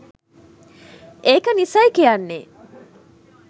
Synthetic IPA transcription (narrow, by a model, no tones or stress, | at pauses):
ʔeːkənisɐjkijanːe